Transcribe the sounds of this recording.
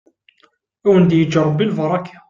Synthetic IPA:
æwənd̪jəd͡ʒɑɾˤːbilvɑɾˤɑkʰḁ

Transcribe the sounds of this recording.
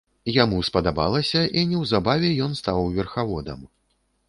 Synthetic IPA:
jamuspɐd̪aba̰lˠɐsʲɐʔinʲɛwzabavʲɛjɔnst̪awvʲɛrxavɔd̪ɐ̰m

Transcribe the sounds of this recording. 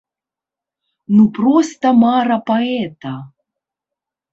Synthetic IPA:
nupɾɔst̪ɐmaɾɐpaɛt̪ɐ

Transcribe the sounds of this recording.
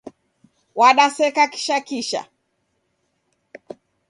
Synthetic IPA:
waɗasɛkaki̥ʃakiʃa̰

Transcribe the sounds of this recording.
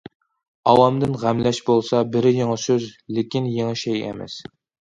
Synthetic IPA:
ɑwɑmd̪ɪnʁæmlɛʃbolˠsɑbɪɾɪjeŋɨsøzlɪkʲinjeŋɨʃɛjḛmɛ̰s

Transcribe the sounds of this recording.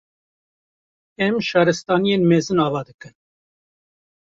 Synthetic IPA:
ɛmʃɑːɾɨst̪ɑnijenmɛzɨnɑːvɑd̪ɨkɨn

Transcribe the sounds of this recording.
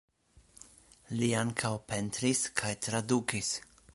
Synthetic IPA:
liaŋkʰawpe̞ntɾiskʰajt̪ɾadukis

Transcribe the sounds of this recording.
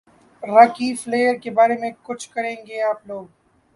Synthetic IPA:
ɾɐkifleːəɾkebaːɾemẽkʊt͡ʃʰkɐɾẽːŋɡeaːploːɡ̚

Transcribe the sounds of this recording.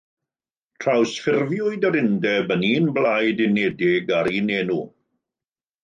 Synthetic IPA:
tʰrawsfɪrvjʊɨdəɾɪndɛbəniːnblajdɪnɛdɪɡaɾiːneːnu

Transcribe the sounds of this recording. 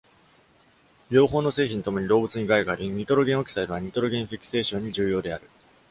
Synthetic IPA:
ɾʲo̞ːɦo̞ːno̞se̞ːçʲĩnt̪o̞moɲ̟iɾo̞ːbɯ̟t͡sɨɲ̟iɡaiɡaɾʲiɲ̟it̪o̞ɾo̞ɡʲẽo̞kʲi̥said̪ɯβaɲ̟it̪o̞ɾo̞ɡẽɰ̃ɸʲikɯ̥se̞ːɕõ̞ɲ̟ːiʑɨːjo̞ːd̪e̞aɾɯ̟

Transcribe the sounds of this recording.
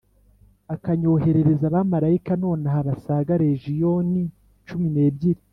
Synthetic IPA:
akaɲo̞ːɦe̞ɾe̞ɾe̞zaβamaɾaikano̞ːnahaβasaːɡaɾe̞ʒijo̞ni | t͡ʃumine̞ːbɟiɾi

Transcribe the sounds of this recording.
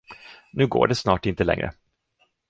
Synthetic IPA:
nʉ̟ːɡo̰ːɖɛsnɑːʈɪnt̪əlɛ̰ŋɾə̰

